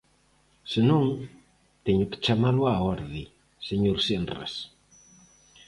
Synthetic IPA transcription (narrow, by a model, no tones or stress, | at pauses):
senõŋ | t̪eɲʊke̥t͡ʃamalʊaɔɾði | seɲoɾsenrḛs